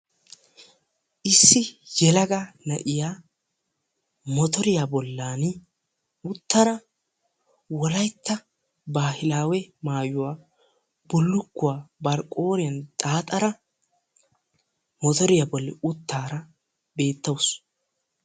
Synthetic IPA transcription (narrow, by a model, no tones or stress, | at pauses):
ʔɪsːɪjɛlɐɡanɐʔɪjaː | mɔt̪ɔɾɪjabɔlːaːn | ʊt̪ːɐɾɐ | wɔlɐjt̪ːɐ | baːhɪlaːwɛmaːjʊwaː | b̥ʊlːʊkːʊwaːbɐɾkʼːo̞ːɾɪjɐnt̪ʼaːt̪ʼɐɾɐ | mɔt̪ɔɾɪjabɔlːɛ̰ʊt̪ːaːɾɐ | be̞ːt̪ːɐws